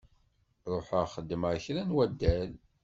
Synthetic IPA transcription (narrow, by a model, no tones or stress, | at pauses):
ɾˤoħəʁχəd̪ːməʁçɾænwæd̪ːæl